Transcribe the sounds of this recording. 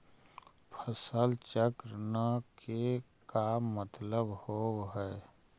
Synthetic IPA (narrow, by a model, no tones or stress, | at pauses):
pʰəsəlt͡ʃəkɾənakʰe | kamət̪ləbhoːɦɛː